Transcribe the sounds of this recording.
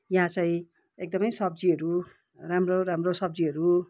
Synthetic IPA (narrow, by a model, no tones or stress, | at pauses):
jaɦãt͡sʌĩ | ek̚d̪ʌmʌjsʌb̚d͡ziɦʌɾu | ramroɾamrosʌbd͡ziʌɾu